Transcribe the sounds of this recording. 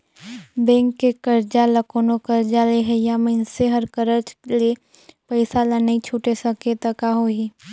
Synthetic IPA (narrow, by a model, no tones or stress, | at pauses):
bɛ̃ːŋkːekɐɾd͡ʒalɐkoːnokɐɾd͡ʒaleɦɛjamɐ̃nseɦɐɾkəɾəd͡ʒle | pɐɪsalanɐɦĩt͡ʃʰuːʈesɐ̃ket̪əkaɦoiː